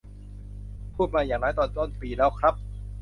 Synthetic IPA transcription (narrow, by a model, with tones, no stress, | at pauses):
pʰuː˥˩t̪̚maː˧jaː˨˩ŋnɔː˦˥jt̪ɔː˧nt̪o˥˩˨npiː˧lɛː˦˥wkʰɾa˦˥p̚